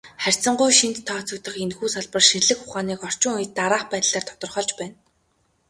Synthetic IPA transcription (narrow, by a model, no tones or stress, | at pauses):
χær̥ʲt͡sə̆ɴɢujʃint̪ʰːɔːt͡sɞ̆k̚t̪ə̆χenxuːsaɮpə̆rʃirɮɘ̆xχʊχaːniːkɔr̥t͡ɕʊ̆ŋujt̪̚ːaɾaːχpæːt̪ɮ̥aːrt̪ʰɔ̥t̪ɞ̆rχɔːɮt͡ɕpæːn